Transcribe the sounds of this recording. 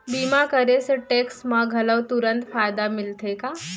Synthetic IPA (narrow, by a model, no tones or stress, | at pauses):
bimakəɾeseʈeksmaɡʱələʋt̪uɾənt̪fajd̪amilt̪ʰeka